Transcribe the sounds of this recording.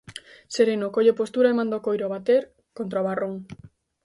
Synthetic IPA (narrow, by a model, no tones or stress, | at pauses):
seɾenokoʎepost̪uɾaemãnd̪okojɾoaβat̪eɾ | kont̪ɾaoβaroŋ